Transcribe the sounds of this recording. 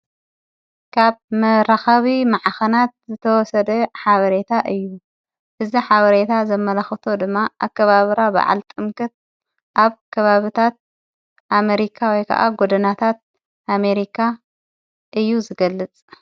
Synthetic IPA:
kʰaβmɐɾaxaβimaʕaxɐnat̪̚zɨt̪ʰɐwɔsɐd̪ɐħaβɐɾe̞t̪ʰaʔɨjːu | ʔɨziħaβɐɾet̪ʰazɐmːɐlaxɨt̪ʰo̞d̪ɨmːaʔaβkʰɐβaβɨɾaba̰ʕa̰lt̪ʼɨmkʰɐt̪̚ | ʔaβkʰɐβaβɨt̪ʰat̪̚ | ʔame̞ɾikʰawɔjkʰɐ̰ʔa̰ɡod̪ɐnat̪ʰat̪̚ | ʔame̞ɾikʰa | ʔɨjːuzɨɡɐlːɨt͡sʼ

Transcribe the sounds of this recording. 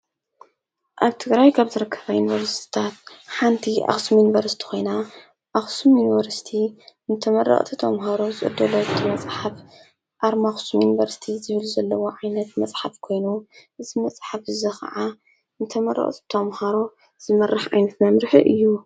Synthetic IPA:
ʔaβt̪ʰɨɡɾajkʰaβzɨɾɨkʰːɐβajunivɐɾst̪ʰi̥t̪ʰat̪ħant̪ʰiʔa̰xsumjunivɐɾsi̥t̪ʰi̥xʰo̞jna | ʔaxsumjunvɐɾsi̥t̪ʰinɨt̪ʰɐmɐɾːɐ̰χʼt̪ʰit̪ʰɐmɦaɾo̞zɨʔʼɨ̰d̪ːɐloɨt̪ʰɨmɐt͡sʼħaf | ʔaɾmaxsumjunivɐɾsi̥t̪ʰizɨβɨlzɐlːɐwoʕajnɐt̪mɐt͡sʼħafkʰo̞jnuʔɨzimɐt͡sʼħafɨzɐxɐ̰ʕa | nɨt̪ʰɐmɐrɐ̰χʼt̪ʰi̥t̪ʰɐmhaɾo̞ | z̥ɨmɐrːɨħʕa̰jnɐt̪mɐmɾɨħɨʔɨjːu

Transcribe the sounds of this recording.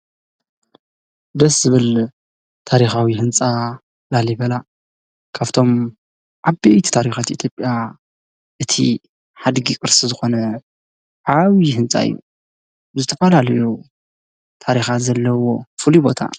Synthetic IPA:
d̪ɐszɨβɨl | t̪ʰaɾixawihɨnt͡sʼa | laliβɐla | kʰaβt̪ʰo̞m | ʔaβbejt̪ʰi̥t̪ʰaɾixat̪ʔit̪ʰjo̞pʼja | ʔɨt̪ʰḭ | ħad̪ɡikʼɨɾsizɨxo̞nɐ | ʕaβihɨnt͡sʼa̰ɨ̰jːṵ | zɨt̪ʰɐfɐlalɐju | t̪ʰaɾixat̪zɐlːɐwo̞fɨlibo̞t̪ʰa̰

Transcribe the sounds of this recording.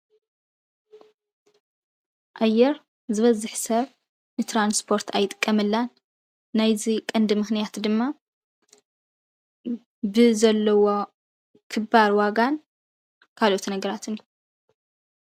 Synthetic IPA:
ʔajːɛɾ | zɨβɐzɨħsɐβ | nɨt̪ʰɾanspʰo̞ɾt̪ʰajt̪ʼɨ̥kʼːɐmɨlːan | najzikʼɨnd̪ɨmɨxnijat̪d̪ɨmːa | bɨzɐlːɐwo | kʰɨbaɾwaɡan | kʰalo̞t̪nɐɡɐɾat̪ʰɨnju

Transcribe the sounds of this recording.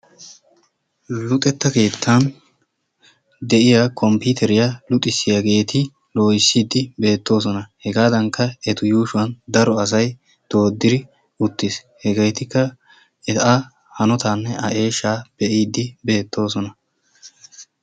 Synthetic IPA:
lʊt̪ʼɛt̪ːɐke̞ːt̪ʰːan | d̪ɛʔɪjaːkʰɔmpʊt̪ʰɛɾɪjalʊt̪ʼɪsːɪjaɡe̞ːt̪ɪ | lo̞ːjɪsːiːd̪ːɪbe̞ːt̪ːo̞ːs̬ɔnɐhɛɡaːd̪ɐŋkːɐɛt̪ʊjuːʃʊwɐnd̪ɐɾɔɐs̬ɐj | d̪̥o̞ːd̪ːɪɾɪ | ʊt̪ːɪs | hɛɡɐjt̪ɪkːɐ | ɛt̪a | hɐnɔt̪aːnːɛʔɐʔe̞ːʃːaːb̥ɛʔiːd̪ːɪbe̞ːt̪ːo̞ːs̬ɔnɐ

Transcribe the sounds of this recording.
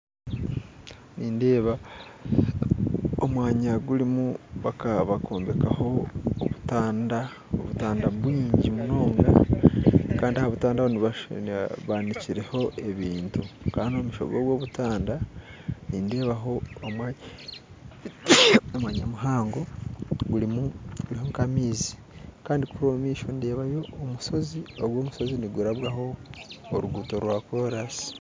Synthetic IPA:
niːnde̞ːβa | omwaːɲaɡulimuβakaβakʰo̞ːmbe̞kaho̞oβutaːnda | o̰βutaːndaβwiːɲɟimuno̞ːŋɡa | kaːndiahaβutaːndahoniβa | βaniciɾe̞ho̞ʔe̞βiːntukaːnomuʃo̞̰ɡoːɡwo̞ːβutaːndaninde̞ːβaɦo̞omwaɲ | omwaɲa̰muɦaːŋɡo̞ɡulimuɡulihoŋkamiːzi̥ | kaːndikuɾomiːʃo̞nde̞ːβajo̞ːmuso̞zioɡwo̞ːmuso̞ziniɡuɾaβwaɦo̞̰ːɾuɡuːto̞ɾwako̞ɾasi̥

